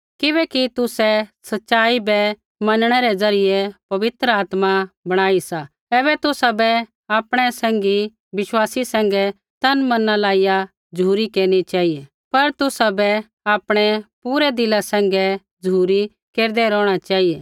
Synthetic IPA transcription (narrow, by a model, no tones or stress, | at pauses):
kɪβɛːkit̪ʊsɛsɐtːʃaːibɛ | mɐnɽ̃ɛɾɛzɐɾɪjɛpɐʋɪt̪ɾəaːt̪mabɐɽ̃aːisa | ɛːβɛt̪ʊsabɛ | aːpɽ̃ɛsɛ̃ːŋɡi | bɪʃwaːsisɛ̃ːŋ̆ɡɛ | t̪ɐnmɐnãlaːija | d͡ʒuːɾikeːɾñit͡ʃaːɦijɛ | pɐɾt̪ʊsabɛ | aːpɽ̃ɛpuːɾɛd̪ɪlasɛ̃ːŋɡɛ | d͡ʒuːɾi | keːɾd̪ɛɾɔːɽ̃at͡ʃaːɦiɛː